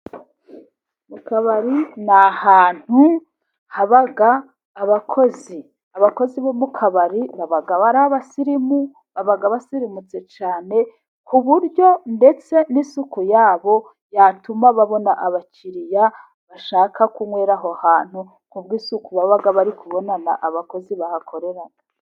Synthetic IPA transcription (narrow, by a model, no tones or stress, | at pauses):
mukaβaɾinahaːn̥hu | haβaɡaː | βakʰo̞zi | aβako̞ziβomukʰaβaɾiβaβaɡaβaɾaβasiɾimu | βaβaɡaβasiɾimut͡se̞t͡ʃaːne̞ | kʰuβuɾjo̞nde̞t͡se̞nisukujaːβo̞ | jatumaβaβo̞naʔaβaciɾija | βaʃaːkʰakuŋwe̞ːɾaɦoahaːn̥hu | ŋubɡiːsukuβaβaɡaβaɾikʰuβo̞nanaʔaβako̞ziβahakʰo̞ɾe̞ɾana